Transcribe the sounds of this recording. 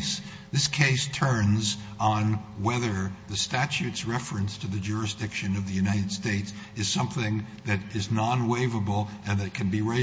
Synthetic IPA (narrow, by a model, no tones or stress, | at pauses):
s | ðɪskʰeɪstʰɜ̃˞nz | n̩wɛðə˞ðɨstæt͡ʃʉtsɹɛfɹɨ̃nstʰɨðɨd͡ʒʊɹɨsd̥ɪkʃɨ̃nʌvðɨjʉnaɪɾɨd̥steɪts | ɨz̥sʌ̃mθɪ̃ŋðɨɾɪznɑ̃nweɪvəbl̩ˠɨ̃nðɨt̚kʰɨ̃n̩biɹeɪ